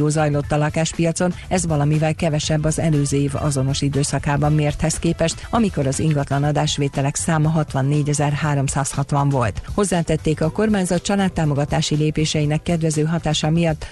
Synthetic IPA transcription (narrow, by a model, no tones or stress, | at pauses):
oːzɒjlo̞t̪ːɒlɒkaːʃpijɒt̪so̞nɛzʋɒlɒmivɛlkɛvɛʃɛbːɒzɛløːzøːeːvɒ̰zo̞no̞ʃid̪øːsɒkaːbɒmːeːrt̪hɛskeːpɛʃt̪ɒmiko̞ɾɒzḭŋɡɒt̪lɒnɒd̪aːʃʋeːt̪ɛlɛksaːmɒɦɒt̪ʋɒnːeːɟɛzɛrhaːɾo̞msaːshɒt̪ʋɒɱvo̞lt̪ho̞zːaːt̪ɛt̪ːeːkɒko̞rmaːɲzɒt̪̚t͡ʃɒlaːt̪ːaːmo̞ɡɒt̪aːʃileːpeːʃɛinɛkːɛd̪ʋɛzøːɦɒt̪aːʃɒmijɒt̪ː